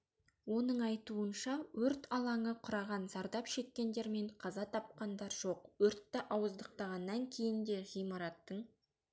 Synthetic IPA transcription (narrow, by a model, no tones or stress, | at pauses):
wo̞nəɴɑjt̪uənʃɑwɵɾt̪ɑlˠɑɴəqʰʊɾɑʁɑnzɑɾd̪ɑpʃe̞kʲːe̞nd̪e̞ɾme̞ɴqʰɑzɑt̪ʰɑp̚qɑnd̪ɑɾʒ̥o̞qwɵɾt̪ːɑʔɑwəzd̪əq̚t̪ɑʁɑnːɑŋkʲʰe̞jɪnd̪e̞ʁijmɑɾɑt̪ːəɴ